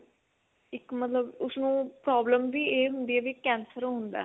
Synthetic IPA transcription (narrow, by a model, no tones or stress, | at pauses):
ɪkmət̪ləbʊsnũːpɾaːbləmʋiːeːɦʊnd̪iːɛːʋiːkːɛ̃ːnsəɾɦʊnd̪a̰ː